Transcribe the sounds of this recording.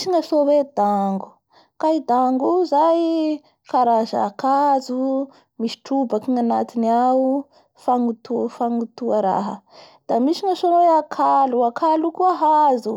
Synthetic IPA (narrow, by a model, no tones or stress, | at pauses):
siŋasowed̪aŋɡu̥ | kaid̪aŋɡuzaj | kaɾaza̰ːkazu | misi̥ʈ͡ʂubakiŋana̰t̪iniau | faŋut̪ufaŋut̪uaɾa̰ɦə̰d̪̥amisiŋasonweakʰaluakʰalukuaɦazu